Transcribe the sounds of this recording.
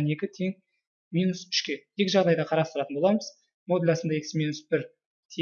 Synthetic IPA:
ne̞kʲɪt̪ʰeŋ | mʲijnusʏ̥ʃkʲe̞je̞kʲɪʒɑʁd̪ɑjd̪ɑqʰɑɾɑst̪əɾɑt̪ənbo̞lˠɑməz̥ | mo̞d̪elʲɑsənd̪ɑe̞kʲsmʲijnusbɪɾ | t̪ʰe

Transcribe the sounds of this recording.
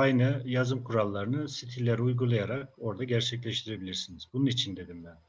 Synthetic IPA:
ajnɯjazɯmkʰuɾalˠːaɾɯnɯsit̪ʰilʲːeɾiujɡulˠajaɾako̞ɾd̪aɟæɾt͡ʃʰɛclʲɛʃt̪ʰiɾe̞bilʲiɾsinizbununit͡ʃʰind̪e̞d̪imbæn

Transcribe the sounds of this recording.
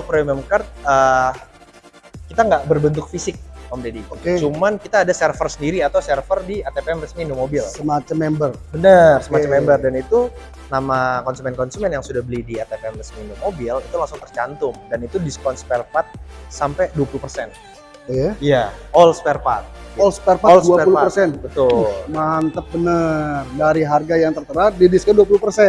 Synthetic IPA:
pɾeməmkart̪̚ə | kit̪aŋɡaʔbərbənt̪̬ʊk̚fisɪk̚pɔmdedikoet͡ʃumankit̪aːdasɛrfərsəndiɾiat̪awsɛrfərdiat̪epeɛmrəsminomobɪlsəmat͡ʃəmɛmbər | bənərsəmat͡ʃamɛmbərdanit̪u | namakɔnsumɛnkɔnsumɛnjaŋsudahbəlidiat̪epeɛmrəsminumobilit̪ulasʊŋt̪ərt͡ʃant̪ʊmdanit̪udispɔnspɛrpat̪̚sampɛduwapulupərsɛn | jaijaʔɔlspɛrpat̪̚ɔlspɛrpalduaɛulupərsɛnbət̪ʊlmaɦant̪əp̚bənərdaɾiɦarɡajaŋt̪ərt̪əɾat̪̚didiskɔnduapulupərsɛ

